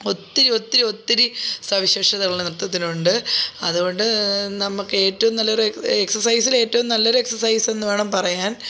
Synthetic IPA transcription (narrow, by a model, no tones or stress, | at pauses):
o̞t̪ːiɾio̞t̪ːiɾio̞t̪ːiɾisɐʋiɕeːʂɐðɐɣɐɭlenirt̪ːɐt̪̬ːinuɳɖɨɐðuɣo̞ɳɖɨnɐmːukːɨe̞ːtːɐʋumnɐlːɐoɾeksɐsɐjsile̞ːtːɐʋumnɐlːɐo̞ɾeksɐrsɐjse̞nːuʋe̞ːɳɐmpɐrɐjaːn